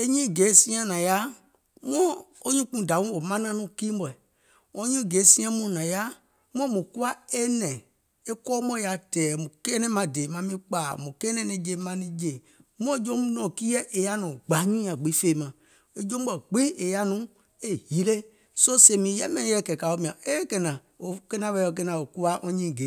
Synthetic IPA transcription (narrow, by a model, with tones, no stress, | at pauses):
e˦ɲĩ˦˨ɡe˨˦sĩ˦ã˦nã˨ja˦ | mɔ̃˦ | o˦ɲũ˦k͡pũ˧˨da˨wũ˦o˨mã˦nã˦nũ˦ki˦m˦bɔ˨ɛ˨ | ɔ̃˦ɲũ˦˨ɡe˨˦sĩ˦ã˦mũ˦˨nã˨ja˦ | m˦ɔ̃˦mũ˨ku˦a˦e˦nɛ̃˨ | e˦kɔ˦mɔ̃˦ja˨tɛː˨mũ˨kɛ˦nɛ̃˦mã˨de˨mã˨mĩ˦k͡pa˨mũ˨kɛ˦nɛ̃˦nĩ˧d͡ʒe˨mã˧nĩ˧d͡ʒe˨ | mũ˦ɔ̃˦d͡ʒõ˦m˦nɔ̃˨ki˦ɛ˦ʔe˨ja˦nũ˨ɡ͡ba˨˦ɲĩ˦ã˨ɡ͡bi˨˦feː˦˨˦mã˨ | e˨d͡ʒõ˦ɡ͡bɔ˨ɡ͡bi˦e˨ja˦nũ˨˦ | e˦hi˨˦le˦ | so˦se˨mĩ˨˦jɛ˦mɛ̃˦˨˦ɛ˦˨kɛ˨ka˨o˦mĩ˨ã˨e˦kɛ˨nã˨ | o˨kɛ˦nã˦ɓɛ˧˦o˧˨k̬ɛ˦nã˨o˨ku˦a˦ʔɔ̃˧ɲĩ˦˨ɡe˨˦